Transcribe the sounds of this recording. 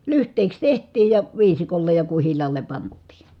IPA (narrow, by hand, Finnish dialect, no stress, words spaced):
lyhtˑeˑi̯ks tehtˑiːj jɑ ʋiːsikolːej jɑ kuhilˑɑːle pɑntˑiː